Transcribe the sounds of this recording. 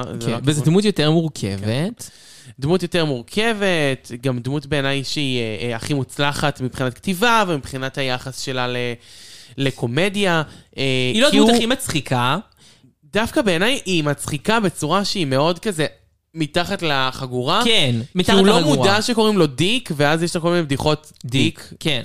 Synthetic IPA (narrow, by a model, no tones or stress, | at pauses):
vezedmut̬jo̞teʁmuʁkʰḛvet | d̪mutjo̞teʁmuʁkʰe̞ve̞tɡamd̪mutbeːnajʃeiaχimut͡slaχatmipχinatktivavemipχinathajaχasʃe̞lalele̞ko̞medjaeilodmuaχimat͡sχikʰa | dafkabe̞ːnajʔimat͡sχikabet͡suʁaʃeime̞o̞dkaze̞ | mitaχatlaχaɡuʁakenmikiulomudaʃeko̞ʁimlo̞dikveazjeʃlakomineb̚d̪iχo̞t | d̪iken